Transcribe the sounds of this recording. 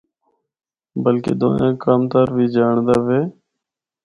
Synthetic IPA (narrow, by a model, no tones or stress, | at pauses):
bəlkḛːd̪õ̰ːjã̰ːkaːmt̪aːɾʋiːd͡ʒaːɳd̪aːʋeː